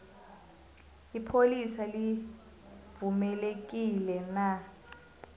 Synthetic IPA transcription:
ipʰolisali | vumɛlek̬ʼilɛna

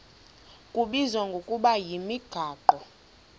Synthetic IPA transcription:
kʼuɓizaŋɡʱokʼuɓajimiɡ̥ʱaːǃɔ

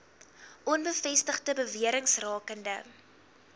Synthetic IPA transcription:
ʔɔnbəfɛstəχdəbəviəɾəŋsrɑːkəndə

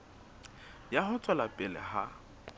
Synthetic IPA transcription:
jahʊt͡sʼalapʼɪlɛ̰ha̰

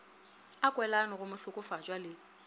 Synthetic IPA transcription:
akʼwɛlanɔɣʊmʊɬʊkʼʊfat͡ʃʼwalɪ

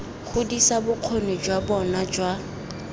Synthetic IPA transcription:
χʊdisabʊq͡χʰoned͡ʒwabɔnad͡ʒwa

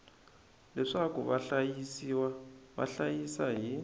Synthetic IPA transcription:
lɛʂakuβaɬajisiwaβa̰ɬajisaɦi

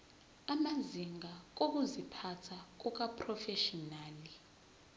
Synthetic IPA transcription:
amaziŋak̬ok̬uzipʰatʰak̬uk̬apʰʼrɔfɛʃɔnaːli

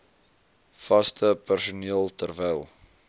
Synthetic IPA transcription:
fɐstʰəpærsuniəlˠtərvɛjlˠ

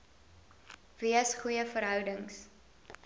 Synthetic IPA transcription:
viəsχujəfəɾɦœwdəŋs

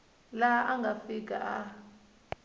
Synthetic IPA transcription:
laʔaŋɡʱafik̬aʔa

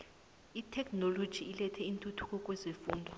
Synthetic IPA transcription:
itʰɛkʰʼnolod̥ʒ̥ʱiːlɛtʰɛintʼutʰu̥kʰʼɔkʼwɛzifuːndʱɔ

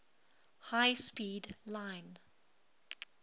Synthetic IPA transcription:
haɪspiːdlãɪn

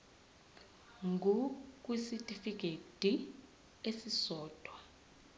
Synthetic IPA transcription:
ŋɡʱuk̬ʼwisitʼifik̬ʰʼed̥ʱi | esisɔːd̥ʱwɔ

